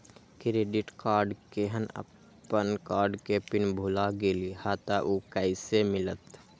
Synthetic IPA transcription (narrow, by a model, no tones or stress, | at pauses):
kɾeːɖɪʈkaːɾɖkeɦənə̰ | ənkaːɾɖkepɪnbʱulaɡelihaːt̪aʔukəɪsemɪlət̪